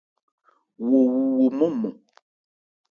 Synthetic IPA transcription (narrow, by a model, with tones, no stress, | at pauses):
wo˨wu˦wo˨mo˦mɔ˨